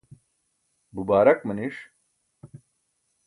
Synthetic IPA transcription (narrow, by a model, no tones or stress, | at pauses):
bubaːɾɐkməniʂ